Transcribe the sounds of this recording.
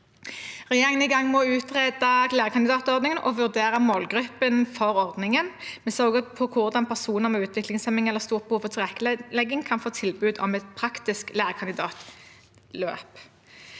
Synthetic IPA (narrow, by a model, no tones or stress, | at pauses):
ʁɛjeːʁɪŋənɪɡɑŋːmɔʉːt̪ʁeːd̪ɑlæːʁəkʰɑnd̪ɪd̪ɑːt̪ɔʁd̪nɪŋənʔɔʋʉʁd̪eːʁɑmoːlɡʁʉpːənfɔʁɔʁd̪nɪŋənmɛsœʁɡəpʰɔkʰʊʁd̪ɑnpʰæʁsuːnəʁɔmɛʉːt̪ʰʋɪklɪŋsɛmɪŋɛlːəʁst̪uːʁbəhuːfɔt̪ʰɪʁɛkːəlɛɡɪŋkʰɑnfoːt̪ʰɪlbʉːd̪ɔ̰mɛt̪pʰʁɑkt̪ɪsklæːʁkʰɑnd̪ɪd̪ɑːt̪ | løːp